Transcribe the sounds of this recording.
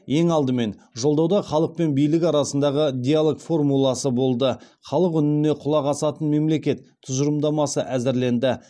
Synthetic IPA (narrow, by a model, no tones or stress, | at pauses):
je̞ŋɑlˠd̪əme̞nʒo̞lˠd̪ɑwd̪ɑχɑlˠəq̚pe̞nbijlɪkɑɾɑsənd̪ɑʁəd̪ʲijalˠokfo̞rmulˠɑsəbo̞lˠd̪ə | χɑlˠəqʏnɪne̞qʰʊlˠɑʁɑsɑt̪ənme̞mle̞kʲe̞t̪ʰːʊzəɾəmd̪ɑmɑsəʔæzɪɾle̞nd̪ɪ